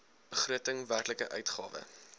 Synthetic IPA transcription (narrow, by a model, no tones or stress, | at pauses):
b̥əχruətəŋværkləkəʔœɥtχɑ̰ːvə̰